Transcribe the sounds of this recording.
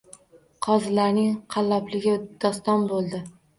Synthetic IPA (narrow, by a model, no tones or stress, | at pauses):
qʰɒzɪlaɾnɪŋqʰɑlːɒplɪɡʲɪd̪̥ɒst̪ɒnbolˠd̪ɪ